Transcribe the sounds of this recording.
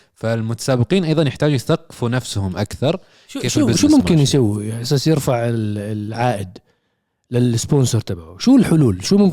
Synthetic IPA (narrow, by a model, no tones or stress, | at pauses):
falmʊt̪ḁsaːbɪqiːnʔɑjðˤɑnjɪħt̪aːd͡ʒujθaqːfunafsʊhʊmʔa̰kθɑɾˤ | eːfʃuːmʊmkɪnjsawːiʔasaːsjɪɾfaʕɪʕaːʔɪd̪ | lɪlɪspoːnsoɾˤt̪abʕuʃuːlħʊluːlʃuːmʊm